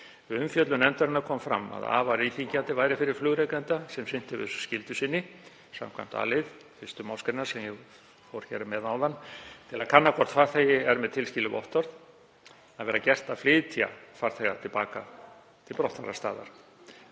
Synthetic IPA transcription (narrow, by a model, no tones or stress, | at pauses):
ʏmfjœt̪lʏnɛnt̪œɾɪnakʰɔːmfɾa̰mːa̰ða̰ːvaɾiθiɲcant̪ɪvaːjɾɪfɪɾɪɾ̥flʏɣɾejkɛnt̪asɛmsɪn̥t̪ɪvɪ̰ðsscɪlt̪ʏsɪnːɪ | sa̰mkʰva̰m̥t̪a̰ːlɪð | fɪ̥st̪ʏmawskɾɪnaɾ̥sɛmjɛ | fɔwɾ̥çɛɾɪmɛðawðanːt̪ʰɪlaðkʰanːakʰɔr̥t̪faɾ̥θejɪɛɾmɛðt̪ʰɪlscɪlːɪvɔ̰ht̪ɔɾð | aðvɛːɾacɛr̥t̪aðflɪːðt̪ʰia̰faɾ̥θeɣat̪ʰɪlpaːka | t̪ʰɪlpɾɔwht̪aɾa̰st̪a̰ːða̰ɾ̥